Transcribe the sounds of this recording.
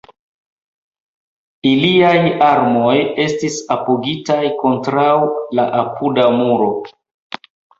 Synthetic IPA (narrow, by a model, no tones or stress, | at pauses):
iliajaɾmo̞je̞stisapoɡitajko̞ntɾawlaʔapudamuɾo̞